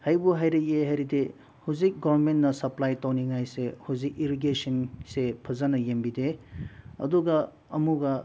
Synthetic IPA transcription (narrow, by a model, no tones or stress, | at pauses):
hajbuɦajɾɐk̚eɦajɾide | huzik̚ɡɐbɐɾmentnɐsɐplajtɐwniŋajsehuzik̚iɾiɡesinsepʰɐzanɐjembide | ɐ̰duɡɐ | ɐmuɡɐ